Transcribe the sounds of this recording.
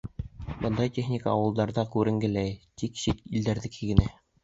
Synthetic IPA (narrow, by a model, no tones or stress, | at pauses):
bɤ̆nd̪ɑjt̪ʲeχnʲikaɑwɤ̆lˠd̪ɑɾðɑkʉɾɘ̆ŋɡɘ̆læjt̪ikɕit̪ild̪æɾðɘ̆kʰiɡɘ̆næ